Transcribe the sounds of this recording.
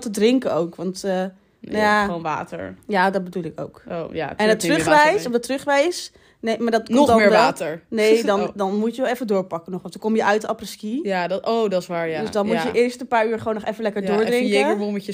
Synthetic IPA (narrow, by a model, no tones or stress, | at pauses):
tədrɪŋkəowkʋɑntə | jaonʋa̰ːtə̰ɹjaːdɔt̚bədulˠɪko̰wkoja̰ɛnətrøχʋɛjsɔfdɔtrøχʋɛjs | nemaːɹdɔtkdɔmːɹʋaːtəɹnejdɔndɔnmutjəʋɛlˠɛfədʊːɹpɑkənɔχʋɔntəkɔmjəʔœɥtəɑprəskijadowdɑɪsʋaːɹdøsdɔnmmujəʔɪːɹstənpaːɹyːɹχəʋownːɔχɛfənlɛkəɹdʊːɹdrɪŋɛəəʋomɛə